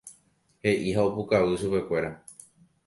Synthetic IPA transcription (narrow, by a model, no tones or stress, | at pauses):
he̞ʔihaopukaʋɨʃupe̞kʷe̞ɾa